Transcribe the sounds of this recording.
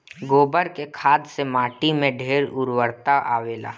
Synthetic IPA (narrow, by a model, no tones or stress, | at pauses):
ɡoːbəɾkekʰaːd̪semaːʈimẽɖʱeːɾʊɾwəɾt̪aʔa̰ːʋeːla̰ː